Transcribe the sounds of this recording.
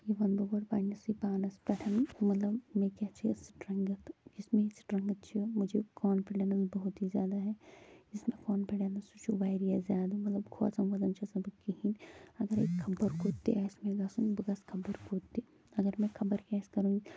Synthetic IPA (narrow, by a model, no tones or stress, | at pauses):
jeʋɐnboːbɐɾpaːnɐsipaːnɐspɐʈʰɐnmɐt̪lɐbmẽkaːt͡ʃʰisʈɾɐŋɡɐt̪d͡ʒɪsmẽsʈɾɐ̃ŋɡɐt̪̚t͡ʃʰmʊd͡ʒʱekɔːnpʰeɖenɐnsbɐɦʊt̪izjaːd̪aɦɛd͡ʒɪsmẽkɔːnpʰeɖeːnɐsut͡ʃʰuʋaːɪɾijazjaːd̪amɐt̪lɐbkʰo̰sɐmʋɐd̪ɐnt͡ʃʰɐsɐbkiɦinɐɡəɾekʰːɐbəɾkoːt̪ːḛɛsmẽɡɐsũbɡɐskʰɐbəɾkoːt̪ːi | ɐɡəɾmẽkʰɐbəɾkɛːskɐɾũɡi